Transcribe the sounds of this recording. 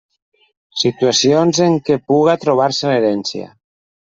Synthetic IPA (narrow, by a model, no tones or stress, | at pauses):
sit̪uasjonzeŋkepuɣat̪ɾoβ̞aɾseleɾɛnsja̰